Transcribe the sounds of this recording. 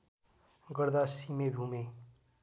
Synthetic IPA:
ɡəɾd̪asimebʱume

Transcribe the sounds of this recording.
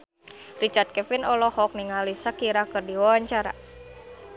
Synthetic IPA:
rit͡ʃart̪̚kɛfinɔlɔhɔk̚niŋalisakiɾakɨrdiwawaɲt͡ʃaɾa̰

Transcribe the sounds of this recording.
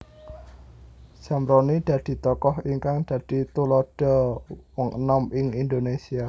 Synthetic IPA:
samɾonid̪̥a̤d̪̥i̤t̪ɔkɔɦiŋkaŋd̪̥ä̤d̥i̤t̪ulɔd̥ɔ̤wɔŋənɔmɪŋind̪onesia

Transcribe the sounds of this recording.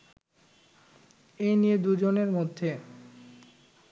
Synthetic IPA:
enijed̪ud͡ʑoneɾmod̪ʱːe

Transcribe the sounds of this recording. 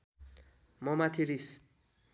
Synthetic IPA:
mʌmat̪ʰiɾis

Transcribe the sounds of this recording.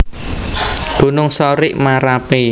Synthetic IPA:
ɡ̥ṳnʊŋsɔɾɪʔmaɾapi

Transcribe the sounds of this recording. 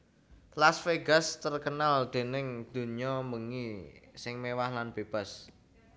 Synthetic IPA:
lasfeɡa̤st̪ərkənald̪̥e̤nɪŋd̪̥ṳnijɔməŋisɪŋmewahlanb̥e̤b̥a̤s

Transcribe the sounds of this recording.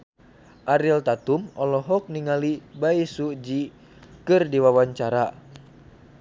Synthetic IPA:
ʔaɾilt̪at̪umɔlɔɦɔk̚niŋalibaisuʔd͡ʒi | kɨrdiwawaɲt͡ʃaɾa

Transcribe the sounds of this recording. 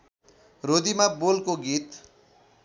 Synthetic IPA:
rod̪imabolkoɡit̪

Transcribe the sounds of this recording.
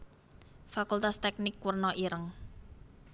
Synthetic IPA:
fakult̪ast̪ɛk̚nɪkːwərnɔʔiɾəŋ

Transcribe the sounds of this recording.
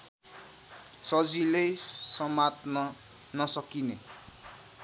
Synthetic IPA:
sʌd͡zilesʌmat̪nʌ | nʌsʌkine

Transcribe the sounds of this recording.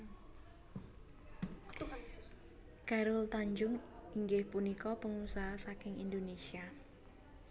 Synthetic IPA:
kaɾʊlt̪aɲd͡ʒʊŋiŋɡɪhpunikɔpəŋusaɦasakɪŋḭnd̪onesia

